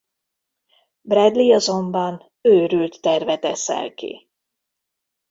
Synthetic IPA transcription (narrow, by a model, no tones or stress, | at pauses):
brɛd̪liɒzo̞mbɒn | øːɾylt̪ːɛrvɛt̪ɛsɛ̰lkḭ